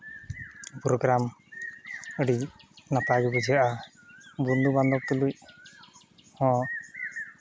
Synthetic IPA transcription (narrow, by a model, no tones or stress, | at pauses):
pɾɔɡɾam | əɖinataɡɔbɔd͡ʒijaʔa | bund̪uband̪ɔb̚t̪uluc | hɔ̃